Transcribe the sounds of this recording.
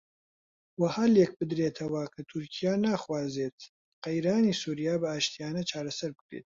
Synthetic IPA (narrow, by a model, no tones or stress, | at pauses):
wahaːlek̚bɨd̪ɾeːt̪ʰɐwakʰɐt̪ʰʊɾkʰijaːnaːχwaːzet̪ | qejɾaːnisuːɾijaːbɐaːʃt̪ijaːnɐt͡ʃʰaːɾɐsɐɾbɨkɾḛt̪̚